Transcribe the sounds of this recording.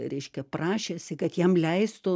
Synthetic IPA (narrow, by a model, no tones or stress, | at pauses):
ɾʲɛɪʃʲkʲɛprɑːʃʲeːsʲɪkɐt̪jɛmlʲɛɪst̪ʊ